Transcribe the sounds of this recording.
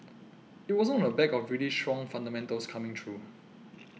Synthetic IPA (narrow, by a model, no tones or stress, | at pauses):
it̚wɔsənɔ̃nəbɛkɔfɹiəlistɹ̥ɔ̃ŋfãndəmɛ̃ntəlskʰamɪ̃ŋt̪ʰɹu